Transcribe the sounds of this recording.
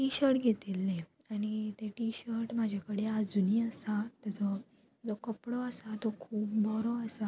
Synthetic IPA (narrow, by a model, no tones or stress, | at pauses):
ʈiɕəɾʈɡʱet̪ilːẽ | aɽ̃it̪eʈiɕəɾʈmad͡ʑʱakəɽead͡zuniːasat̪at͡sɔ | d͡zɔkəpɽɔasat̪ɔkʰuːpbʱɔɾɔasa